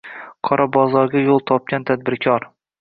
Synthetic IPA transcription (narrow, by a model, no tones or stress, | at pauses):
qʰɒɾʔɑbɒzɒɾɡʲajolˠt̪ʰɒp̚kʲant̪ʰad̪̚bɪɾkʲʰɒɾ